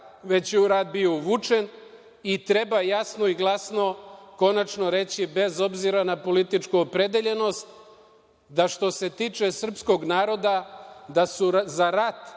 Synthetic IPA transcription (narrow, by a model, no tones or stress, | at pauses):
ʋe̞t͡ɕjeuɾad̪biouʋut͡ʃe̞n | it̪ɾe̞bajasno̞iɡlˠasno̞ko̞nat͡ʃno̞ɾe̞t͡ɕibe̞zo̞bziɾanapo̞lit̪it͡ʃkuopɾe̞d̪eʎe̞no̞st̪ | d̪aʃt̪o̞se̞t̪iːt͡ʃe̞sr̩psko̞ɡnaːɾo̞d̪ad̪asuzaɾat̪